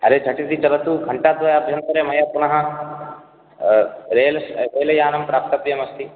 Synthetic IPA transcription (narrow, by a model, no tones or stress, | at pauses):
ɐɾed͡ʒʰʱɐʈit̪it͡ʃɐlɐt̪ukɐɳʈaːd̪ʋɐjaɐbʱjɐnt̪ɐɾeːmɐjɐpunɐɦɐ | ɾeːlɐɾeːlɐjaːnɐmpɾaːp̚t̪ɐbjɐmɐst̪i